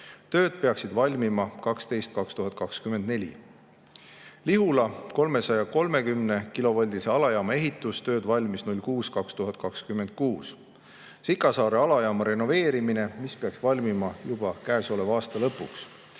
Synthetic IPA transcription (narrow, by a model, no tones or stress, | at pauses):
t̪ø̞ːd̪̥̚pe̞ɑksid̪vɑlʲmimɑkɑkst̪e̞jst̪̚kɑkst̪uɦɑt̪̚ˑkɑkskymend̪̚ne̞lʲḭ | liɦulɑko̞lme̞sɑjɑko̞lme̞kymne̞kilo̞vɑlʲd̪iseɑlɑjɑːmɑe̞ɦit̪ːˑust̪ø̞ːd̪vɑlʲmisnulʲkuːskɑkst̪uɦɑt̪̚ˑkɑkskymend̪̥̚kuːs | sikːˑɑsɑːɾe̞ɑlɑjɑːmɑɾe̞no̞ve̞ːɾimine̞mispeɑksvɑlʲmimɑjub̥ɑkæeso̞le̞vɑːst̪ɑlɤpːˑuks